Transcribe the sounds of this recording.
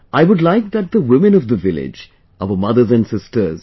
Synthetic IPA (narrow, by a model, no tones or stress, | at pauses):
ʔaɪwʊdlaɪk̚ðæt̚d̪əwɪmɨ̃nɔvd̪əvɪlɪ̰d͡ʒ | aʊəmʌðə˞zæ̃nɖsɪstə˞z